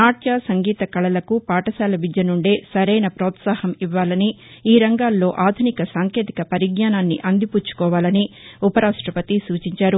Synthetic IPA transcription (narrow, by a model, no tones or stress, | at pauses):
naːʈjaːsɐŋɡiːt̪ɐkɐɭɐlɐkupaːʈɐsaːlɐʋid͡ʒ̪jɐnuɳɖe̞ːsɐɾɐjnɐpɾɔːt̪saːhɐmiʋːaːlɐniː | ɾɐŋɡaːlːo̞ːʔaːd̪ʱunikɐsaːŋkjeːt̪i̥kɐpɐɾiɡɲaːnaːnːiʔɐnd̪ʱipuːt͡ʃːu̥kɔːʋaːlɐniupɐɾaːʂʈɾɐpɐt̪isuːt͡ʃiɲt͡ʃaːɾu